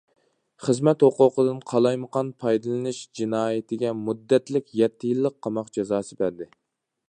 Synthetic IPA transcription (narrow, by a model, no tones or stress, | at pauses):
χəzmɛt̪hoqʊqəd̪ɨnqʰɑlˠɑjməqɑnpʰɑjd̪ɨlˠɨnɨʃd͡ʒinɑːjɪt̪ʰɪɡʲɛmud̪ːɛt̪lɪkʲjɛt̪ʰːɪjilˠːəqʰːɑmɑqd͡ʒɛzɑːsɨbæɾd̪ɪ